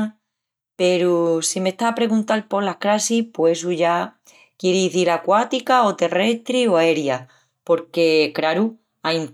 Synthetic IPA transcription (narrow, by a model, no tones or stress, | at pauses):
pe̞ɾusime̞ht̪aːpɾe̞ɣunt̪alpo̞lahkɾasihpwes̬uʝa | kjeɾeðiθiɾakwat̪ikao̞t̪e̞re̞st̪ɾioae̞ɾja | po̞ɾke̞kɾaɾu | ajn